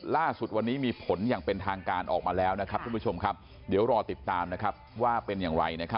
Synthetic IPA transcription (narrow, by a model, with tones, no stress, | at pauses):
laː˥˩su˨˩t̪̚wa˧nːiː˦˥miː˧pʰo˩˦njaː˨˩ŋpe˧nt̪ʰaː˧ŋkaː˧nʔɔ̰ː˨˩k̚maː˧lɛː˦˥wna˦˥kʰa˦˥p̚kʰu˧mpʰu˥t͡ɕʰo˧mkʰa˦˥p̚ | di˩˦wɾɔː˧t̪i˨˩t̪ːaː˧mna˦˥kʰa˦˥p̚waː˥˩pe˧njaː˨˩ŋɾa̰˧jna˦˥kʰa˦˥